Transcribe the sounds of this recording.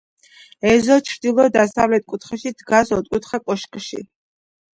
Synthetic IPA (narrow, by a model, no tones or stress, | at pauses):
ɛzɔt͡ʃʰɾd̪ilˠɔd̪asavlɛt̪̚kʼut̪ʰχɛʃid̪ɡasɔt̪ʼkʼut̪ʰχakʼɔʃkʼʃḭ